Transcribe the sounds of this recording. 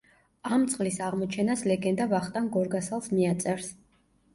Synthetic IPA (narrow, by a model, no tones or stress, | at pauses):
amt̪sʼqʼlisaʁmɔt͡ʃʰɛnaslɛɡɛnd̪avaχt̪ʼanɡɔɾɡasalˠsmiat̪sʼɛɾs